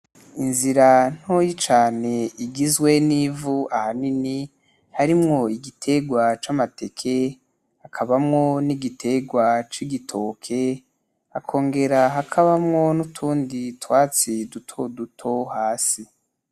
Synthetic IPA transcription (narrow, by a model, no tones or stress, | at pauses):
inziɾan̥hojit͡ʃaːne̞iɡizwe̞nivuʔahanini | haɾimŋo̞iɡitʰe̞ɡwat͡ʃamate̞kʰe | hakʰaβamŋo̞niɡitʰe̞ɡwat͡ʃiɡitʰo̞ːkʰe̞ | akʰo̞ːŋɡe̞ɾaɦakʰaβamŋo̞nutʰuːnditwaːt͡sidutʰodutʰo̞haːsi